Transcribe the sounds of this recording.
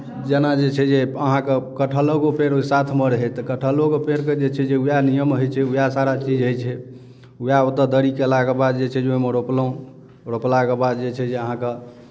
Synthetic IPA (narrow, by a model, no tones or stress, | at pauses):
d͡ʒenad͡ʒet͡ʃʰɛd͡ʒeəɦãkekəʈʰəloɡopeɾoisat̪ʰmeɾɦɛt̪əkəʈʰəlokopeɾked͡ʒet͡ʃʰɛd͡ʒeujanijəmɦəjt͡ʃʰɛujasaɾat͡ʃid͡ʒɦəjt͡ʃʰɛ | ujaot̪əd̪əɾikelaɡəbad̪d͡ʒet͡ʃʰɛd͡ʒoemeɾoploũ | ɾoplaɡebad̪d͡ʒet͡ʃʰɛd͡ʒeəɦãke